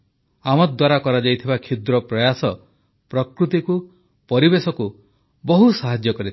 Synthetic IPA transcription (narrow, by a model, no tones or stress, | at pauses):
amɔd̪waɾakɔɾad͡ʒajt̪ʰibakʰid̪ɾɔpɾɔjasɔ | pɾɔkɾut̪iku | pɔɾibesɔku | bɔɦusaɦad͡ʒjɔkɔɾit̪ʰ